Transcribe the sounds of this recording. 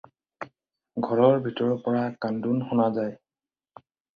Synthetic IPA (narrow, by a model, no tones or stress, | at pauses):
ɡʱɔɹɔɹbʱitɔɹɔpɔɹakandunxɔnazaj